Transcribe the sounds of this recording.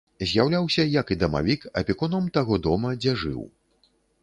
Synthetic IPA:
zʲjawlʲawsʲɐjɐkid̪ɐma̰vʲikɐ̰pʲikɔnɐmt̪aɣɔd̪ɔmɐd͡zʲɛʐɨ̰w

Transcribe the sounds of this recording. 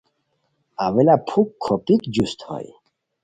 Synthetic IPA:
avɛlapʰukʰːɔpʼikd͡ʒust̪hɔ̰j

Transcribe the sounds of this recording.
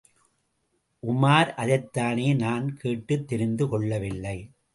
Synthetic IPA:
ʔʊmaːɾʔɐðɐɪt̪ːaːneːnaːnkʰeːʈːɯt̪ːɪɾɪnd̪ɯkɔɭːɐʋɪlːɐɪ

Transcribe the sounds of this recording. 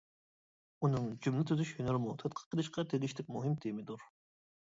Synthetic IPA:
unɨŋd͡ʒumlɪt̪ʰyzyʃhynɑlɾmut̪ʰɛt̪̚qʰə̥qʰːəlˠɨʃqʰɑd̪ʰelɪʃt̪ʰɪk̚ʲmuɦɨmt̪ʰimɪd̪uɾ

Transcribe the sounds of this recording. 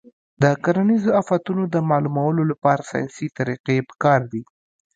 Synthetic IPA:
d̪əkaɾanizoafat̪unod̪əmɑlumawəlolapɑɾasɑ̰jsit̪aɾiqepə̥kɑɾd̪i

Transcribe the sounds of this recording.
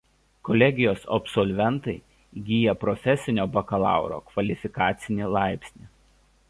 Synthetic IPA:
kɔlʲɛɡʲɪjoːsɐbsɔlʲʋʲɛnt̪ɐɪ | ɡʲiːjɛpɾɔfʲɛsʲɪnʲoːbɐkɐlˠɑ̰ˑʊɾo̰ːkʋɐlʲɪfʲɪkɑːt̪sʲɪnʲiːlˠɑˑɪpʲsʲnʲiː

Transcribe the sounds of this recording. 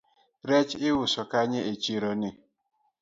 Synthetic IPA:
ɾet͡ʃɪwʊsɔkaɲeʔet͡ʃiɾɔni

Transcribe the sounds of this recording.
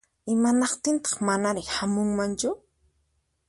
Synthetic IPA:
ɪmanɑqt̪ɪnt̪ɑ̥χmanaɾɪhamʊŋmant͡ʃʊ

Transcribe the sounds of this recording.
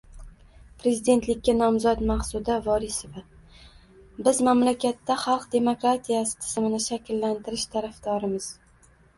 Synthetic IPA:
pɾe̞zɪd̪e̞nt̪lɪkʲːanɒmzɒt̪maχsʊd̪avɒɾɪsɪva | bɪzmamlakʲat̪ːaχɑlˠqd̪e̞mokɾat̪ʰijasɪ̥t̪ʰɪ̥z̥mɪnɪʃakʲlːant̪ɪɾɪʃt̪ʰaɾafd̪ɒɾɪmɪz̥

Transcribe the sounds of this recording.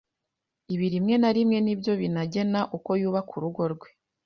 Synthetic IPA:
iβiɾimŋe̞naɾimŋe̞nibjo̞βinaɟe̞naʔuko̞juːβakʰuɾuɡo̞ɾɡwe̞

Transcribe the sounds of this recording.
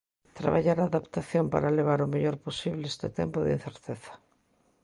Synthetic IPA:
t̪ɾa̰βaʎaɾaðapt̪aθjompa̰ɾaleβ̞aɾomeʎoɾposiβleest̪et̪empoðin̟θeɾt̪eθḁ

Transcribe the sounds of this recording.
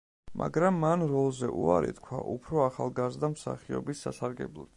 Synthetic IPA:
mʔa̰ɡɾamːanɾɔlˠzɛʔuaɾḭt̪kʰwaʔupʰɾɔaχalˠɡazd̪amsa̰χiɔ̰bisːasaɾɡɛblˠɔd̪

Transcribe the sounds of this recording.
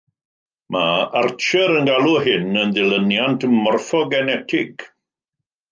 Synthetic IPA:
maart͡ʃʰəɾənɡalˠuɦɪnəndɪlˠənjantʰəmɔrfɔɡɛnɛtʰɪɡ̥

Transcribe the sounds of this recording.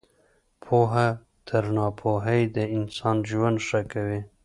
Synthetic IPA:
pʰoɦa | t̪ʰəɾnɑpʰoɦəjd̪əɪnsɑnʒwand̪ʂakawe

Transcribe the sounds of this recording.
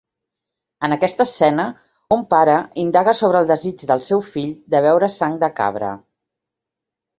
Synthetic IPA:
ənəkɛst̪əsːɛnə | umpaɾəind̪aɣəsoβɾəːlˠd̪əzid͡ʒd̪əlˠsɛwfiʎd̪əβɛwɾəsaŋd̪əka̰βɾə̰

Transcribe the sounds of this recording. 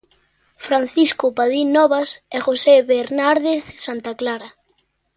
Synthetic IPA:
fɾan̟θiskʊpaðinɔβasɛxoseβeɾnaɾðeθsant̪aklaɾa

